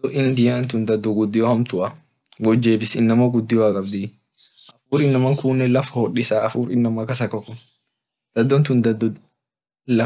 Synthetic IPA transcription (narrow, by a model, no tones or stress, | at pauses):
ɔʔɪnd̪ɪjaːnt̪ʊnd̪ɐd̪ːɔɡʊd̪ːɪjɔhɐmt̪ʊʔɐ | ɡɔd͡ʒːeːbɪsɪnːɐmɐɡʊd̪ːɪjɔɐkʼɐbd̪ɪ | ʔɐfuːɾɪnːɐmɐŋkuːnːɛlɐfɐhɔɗɪsaːɐfuːɾɪnːɐmɐkɐsɐkɔkːʊ | d̪̥ɐd̪ːɔnt̪ʊnd̪ɐd̪ | lɐ